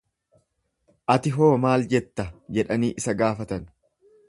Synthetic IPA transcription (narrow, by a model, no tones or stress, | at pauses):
ʔɐt̪ɪɦoːmaːld͡ʒɛt̪ːɐd͡ʒɛᶑɐniːʔɪsɐɡaːfɐt̪ɐn